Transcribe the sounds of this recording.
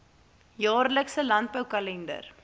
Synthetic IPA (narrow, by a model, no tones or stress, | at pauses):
jɑːrləksəlɐnt̚bəwkɐlɛndə̰r